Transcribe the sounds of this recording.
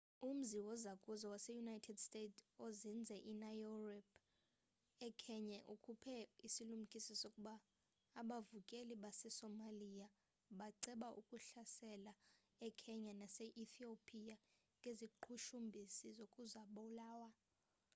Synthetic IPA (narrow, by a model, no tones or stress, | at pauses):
um̩ziwɔzakʼuzawasɛjunajtʰɛdstʼetozind͡zʱɛʔinajɔrɛp | ɛkʰɛɲaʔukʰupʰɛisilum̩kʼisɔsokʼuɓaː | ɓavukʼeliɓasɛsɔmalija | ɓaǀɛɓaʔukʼuɬasɛla | ɛkʰɛɲanaseʔiθiopʼija | ŋʱʼeziǃʰuʃumbʱisizokʼuzaɓɔlaːwa